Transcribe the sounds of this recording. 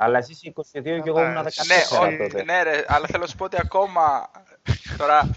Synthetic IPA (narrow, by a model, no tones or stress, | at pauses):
ɐlːɐesisiːkosiðioceɣounɐðeɐneot̪ot̪neɾeɐlːɐθe̞losu̥poot̪iɐko̞mɐ | t̪oɾɐ